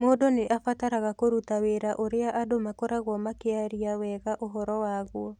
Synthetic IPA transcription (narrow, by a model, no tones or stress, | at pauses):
moːdoneʔafataɾaɣakoɾutaweɾaʔoɾeaʔadomakoɾaɣwɔmakeaɾiawɛɣaʔoɦɔɾɔwaɣwɔ